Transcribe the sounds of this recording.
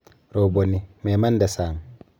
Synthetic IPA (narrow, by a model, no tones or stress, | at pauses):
ɾɔwbonimɛmandɛsaːm